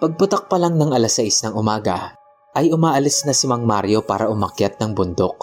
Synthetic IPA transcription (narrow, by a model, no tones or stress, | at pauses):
pɐɡ̚pʊt̪ɐk̚pɐlaŋnɐŋɐlasɐʔɪsnɐŋʔʊmaːɡɐ̰ | ʔɐjʊmaːʔɐlɪsnɐsɪmɐŋma̰ɾjo̞pa̰ːɾɐʔʊmɐkjat̪̚nɐŋbʊnd̪o̞k̚